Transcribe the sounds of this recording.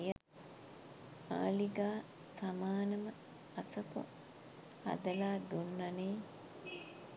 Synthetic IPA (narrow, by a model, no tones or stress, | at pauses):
j | a̰ːliɡaː | samaːnɐmə | asɐpo̰ | a̰d̪əlaːd̪unːɐneː